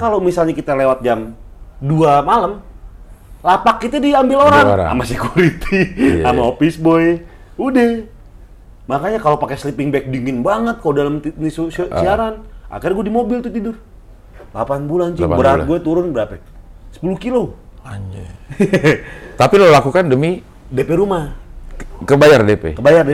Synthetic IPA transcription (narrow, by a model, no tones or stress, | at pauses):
kalomisalɲakit̪alewat̪̚d͡ʒamduamaləm | lapakːit̪adiambɪloɾaŋa̰masekuɾit̪ʰiamaopisbɔj | udɛ | makaɲakalopakɛslipɪŋbɛk̚diŋɪnbaŋət̪̚kalodaləmt̪nisussiaɾanʔa̰kɪrɡuɛdimobilt̪ut̪idʊr | lapanbulant͡ʃibəɾaɡuɛt̪uɾʊnbəɾapɛ | sə̥puluhkilo | aɲ | t̪apilolakukandəmi | depɛɾuma | kəbajardepɛ̰kəbajarde